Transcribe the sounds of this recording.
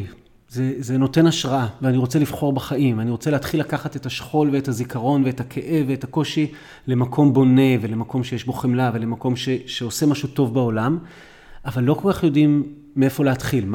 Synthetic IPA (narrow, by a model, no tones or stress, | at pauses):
zezeno̞te̞naʃʁaaveaniʁo̞t͡selivχo̞ʁbaχaʔimaniʁo̞t͡seleatχilːakaχate̞thaʃχo̞lveethazikaʁo̞nveethakʰeʔeveetakoʃi | le̞makʰo̞mbo̞ne̞ve̞lemako̞mʃejeʃbo̞χemlave̞le̞mako̞mʃe̞ʃe̞ose̞maʃutovbao̞lam | avalːo̞ko̞lkaχjo̞dimː | eefo̞leat̪χilm